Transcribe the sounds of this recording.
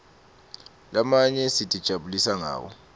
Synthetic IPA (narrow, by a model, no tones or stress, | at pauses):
lamaɲɛsid̥ʱʼid̥ʒ̥ʱaɓulisaŋa̰ːwɔ̰